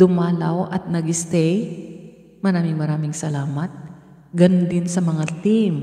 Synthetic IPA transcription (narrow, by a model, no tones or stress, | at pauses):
d̪̥ʊmaːlɐwʔɐt̪̚nɐɡɪst̪ɛj | mɐɾaːmɪŋmɐɾaːmɪŋsɐlaːmɐt̪̚ | ɡɐnd̪ɪnsɐmɐŋat̪im